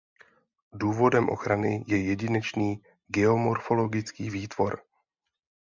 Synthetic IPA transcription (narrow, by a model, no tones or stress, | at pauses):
duːvo̞dɛmʔo̞̰xɾanɪ̰jɛjɛɟɪnɛt͡ʃniː | ɡɛo̞mo̞ɾfo̞lo̞ɡɪt͡skiːviːt̪vo̞ɾ